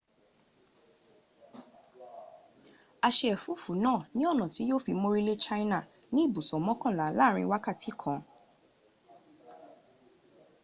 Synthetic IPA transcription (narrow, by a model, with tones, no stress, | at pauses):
a˧ʃɛ˧ɛ˨fu˨˦fu˨˦nãː˦˨nĩ˦ɔ˦˨nɔ̃˨ti˨˦jo˦fi˧mo˧ɾi˦le˦t͡ʃa˦i˦na˦˨ | nĩ˦i˦˨bu˨sɔ˨mɔ̃˨˦kã˦˨la˨˦la˦˨ɾ̃ḭ̃˧wa˦ka˦˨tʰi˨˦kʰã˨